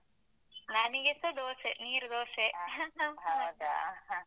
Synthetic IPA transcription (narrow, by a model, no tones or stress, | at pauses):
naniɡesɐd̪oːseniːɾd̪oːse